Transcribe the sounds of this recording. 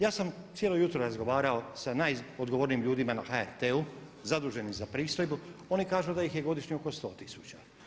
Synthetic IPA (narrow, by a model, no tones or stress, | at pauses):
jaːsamt̪sje̞lojut̪ɾoɾazɡo̞ʋaːɾaosanajod̪ɡoʋoɾniːmʎuːd̪imanaxaeɾt̪eu | zad̪uːʒe̞nizapɾiːst̪o̞jbuonikaːʒud̪ajixje̞ɡo̞d̪iʃɲioko̞st̪o̞ːt̪isut͡ɕa